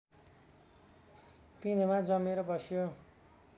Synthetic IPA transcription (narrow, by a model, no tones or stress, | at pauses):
pinʌmad͡zʌmeɾʌbʌsjo